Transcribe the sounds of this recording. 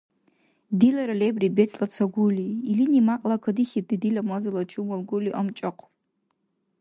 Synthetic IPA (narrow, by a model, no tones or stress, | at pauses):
dilaɾalebribet͡sʼlat͡sʷʰaɡʷuliːlinimaqʼlakʷʰadiχʲip̚dɨdilamazalat͡ʃʰumalɡuliʔamt͡ʃʼaqʷʰ